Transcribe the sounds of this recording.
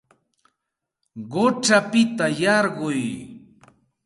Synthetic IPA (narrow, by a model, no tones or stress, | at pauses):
ɢʊʈ͡ʂapɪt̪ajɑɾɢʊj